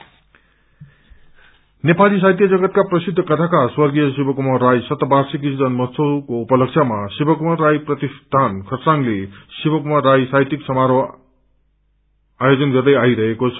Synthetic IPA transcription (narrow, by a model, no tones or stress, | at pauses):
nepalis̬ajt̬ijɐd͡ʒɐɡɐt̚kapɾɐsid̪ʱːɐkɐt̪ʰakaɾswɐɾɡijɐs̬ibɐkumaɾajsɐt̪ɐbaɾsik̬izɐnmɐsʰokoupɐlɐkt͡ʃʰamɐsibɐkumaɾajpɾɐt̪ist̪ʰankʰɐɾsaŋlisibɐkumaɾajsajtiksɐmaɾɔ | ajod͡ʒʌnɡɐɾd̪ɐjajɾɐekos